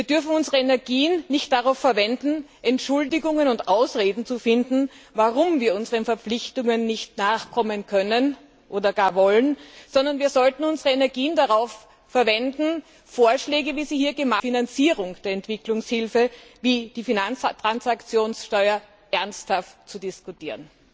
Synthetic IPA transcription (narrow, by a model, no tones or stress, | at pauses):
viːɐdʏɐfn̩ʊnzəʁəɛnɛɐɡiːənːɪçt̚d̥aʁaʊfːɛɐvɛndn̩ʔɛntʃʊldɪɡʊŋənʊntʔaʊsʁeːdn̩t͡sufɪndn̩vaʁʊmviːɐʊnzəʁənfɛɐpp͡flɪçtʊŋənːɪçtnaːχkʰɔmənkʰœnən | ʔoːdɐɡaːɐvɔlənz̥ɔndɐnviːɐzɔltn̩ʊnzəʁəɛnɛɐɡiːəndaʁaʊfː | ɛɐvɛndn̩ | foːɐʃlɛːɡəviːziːhiːɐɡəmafinant͡siːʁʊŋd̥eːɐɛntv̥ɪklʊŋshɪlfəviːd̥iːfinanstʁ̥ansakt͡sjoːnsʃtɔʏɐ | ʔɛɐnsthaftt͡sudɪskutiːʁən